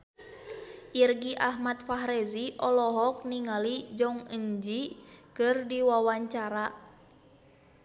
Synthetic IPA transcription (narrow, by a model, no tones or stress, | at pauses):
ʔirɡiʔaɦmat̪̚faɦɾɛziʔɔlɔɦɔk̚niŋalid͡ʒɔŋəɲd͡ʒikɨrdiwawaɲt͡ʃaɾa